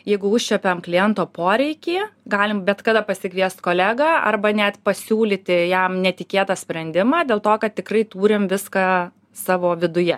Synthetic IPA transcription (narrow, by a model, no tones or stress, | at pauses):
jɛɪɡʊʊʃʲt͡ʃʲɛpʲɛmklʲɪjɛnt̪oːpoːɾʲɛɪkʲiːɡɑːlʲɪmbʲɛt̪kɐd̪ɐpɐsʲɪkʲʋʲiɛst̪koːlʲæːɡɑɐ̰rbɐnʲɛt̪pɐsʲuːlʲit̪ʲɪjɛmnʲɛt̪ʲɪkʲeːt̪ɐsʲpʲɾʲɛnʲd̪ʲɪmɑːd̪ʲeːlˠt̪oːkɐt̪̚tʲɪkɾɐɪt̪uːɾʲɪmʋʲɪskɑ | sɑːʋoːʋʲɪd̪ʊjɛ